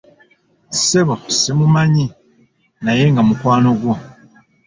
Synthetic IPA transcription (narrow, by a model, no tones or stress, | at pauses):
seβosemumaɲi | najeŋɡamukwaːnoɡwo